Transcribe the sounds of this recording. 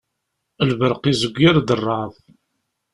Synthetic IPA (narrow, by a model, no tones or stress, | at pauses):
əlvəɾqizəɡʷːaɾd̪ərˤːɑðˤ